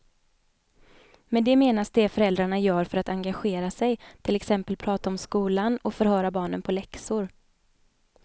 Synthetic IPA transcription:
mɛd̪ɛmeːnasd̪ɛfœɾɛld̪ɾaɳajœːɾfœɾat̪aŋɡaɧeːɾasɛjt̪ʰɪlɛksɛmpəlpʰɾɑːt̪aɔmskuːlanɔfœɾhœːɾabɑːɳə̰npʰɔlɛksʊɾ

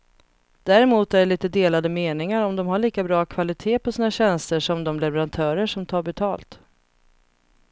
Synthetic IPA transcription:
d̪̥æɾɛmuːt̪æɖɛɭiːt̪əd̪eːlad̪əmeːnɪŋaɾɔmd̪ɔmɦaɭiːkabɾɑːkʰvalɪt̪ʰeːpʰɔsiːnaɕɛnst̪əʂɔmd̪ɔmlɛvɛɾant̪ʰœːɾəʂɔmt̪ʰɑːɾbɛt̪ʰɑːlt̪

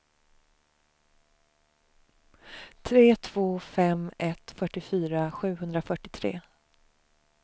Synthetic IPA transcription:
t̪ʰɾeːt̪ʰv̥oːfɛmɛt̪fœʈːɪfyːɾaɧʉ̟ːɦɵnd̪ɾafœʈɪt̪ʰɾḛː

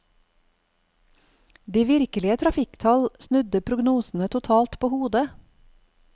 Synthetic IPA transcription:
d̪iːʋɪɾkəlɪət̪ʰɾɑfɪkt̪ʰɑlsnʉd̪əpʰɾʊɡnuːsn̩ət̪ʰʊt̪ʰɑːlt̪pʰoːhuːd̪ə

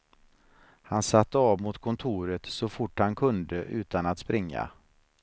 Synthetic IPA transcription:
hansat̪ːəɑːvmʊt̪kʰɔnt̪ʰuːɾət̪sɔfʊʈːhankʰɵnd̪əʔʉ̟ːt̪anat̪spɾɪŋːa̰

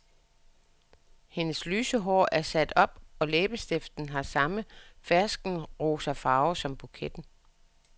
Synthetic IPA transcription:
he̝nəslyːsəɦɒ̰ːæɐsæd̥ɒ̽b̥ɒ̽leːb̥əsd̥efd̥n̩ɦɑ̈sɑ̈məfæɐsɡ̥n̩ʁoːsɐfɑ̈ːʊsɒ̽mb̥ukʰed̥n̩

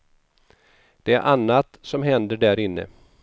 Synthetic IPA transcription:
d̪̥ɛæɾʔanːat̪sɔmɦɛnd̪əɖæɾɪnːə̰

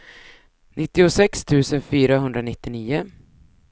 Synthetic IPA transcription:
nɪt̪ːɪʊsɛkst̪ʰʉ̟ːsənfyːɾaɦɵnd̪ɾanɪt̪ːɪniːʊ

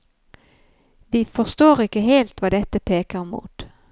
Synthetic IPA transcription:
ʋɪfɔʂt̪oːɾɪkːəɦeːlt̪ʋɑːd̪ɛt̪ːəpʰeːkəɾmṵːt̪

